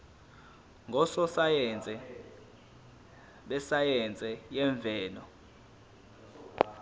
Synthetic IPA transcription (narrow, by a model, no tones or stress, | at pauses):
ŋɡʱɔsɔsat͡sʼɛ | ɓɛsajɛnt͡sʼɛjɛɱb̪vʱɛːnɔ